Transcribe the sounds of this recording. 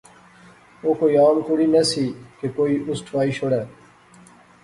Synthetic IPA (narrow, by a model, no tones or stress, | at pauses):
oːkoːiːaːmkʊɽiːnesiːkekoːiːʔʊsʈʰʋaːiːʃoɽɛː